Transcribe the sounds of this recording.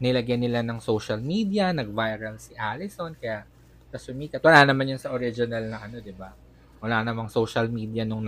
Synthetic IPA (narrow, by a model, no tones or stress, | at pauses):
nɪlɐɡjɐnɪlanɐŋsowʃɐlmiːd̪jɐnɐɡ̚vajɾɐlsɪʔaːlɪso̞nkɐjaʔ | k̪ɐsʊmiːt̪ɐt̪wɐlaːnɐmanjʊnsɐʔoɾɪd͡ʒɪnɐlnɐʔɐno̞d̪ɪba | wɐlaːnɐmɐŋsowʃɐlmiːd̪ɪjɐnʊŋn